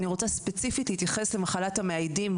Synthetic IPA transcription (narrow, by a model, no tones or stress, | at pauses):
niʁo̞t͡saspe̞t͡sifitlihit̪jaχe̞slemaχalathameajdim